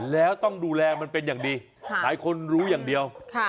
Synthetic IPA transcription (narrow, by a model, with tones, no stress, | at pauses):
lɛː˦˥wt̪ɔ˥˩ŋduː˧lɛː˧ma˧npe˧njaː˨˩ŋdiː˧ | laː˨˩˦jkʰo˧nɾuː˦˥jaː˨˩ŋdi˧əwkʰa˧˩